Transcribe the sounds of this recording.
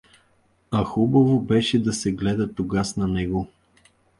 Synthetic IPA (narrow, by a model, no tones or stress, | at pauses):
ɐxubɐvobɛʃɛd̪ɐsɛɡlɛd̪ɐt̪oɡasnɐnɛɡo